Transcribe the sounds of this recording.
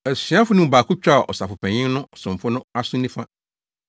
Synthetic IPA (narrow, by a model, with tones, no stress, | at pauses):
ɛ˨sĩ˨˦a˦fʊ˦nʊ̃˦˨baː˨kʰʊ˦t͡ɕᶣa˦˨ʔɔ̰˨sa˨fʊ˨pʰɛ̃˨ɲɪ̃˦nʊ̃˦sʊ̃˨m˨fʊ˦nʊ̃˦a˦sʊ̃˦nĩ˦fã˦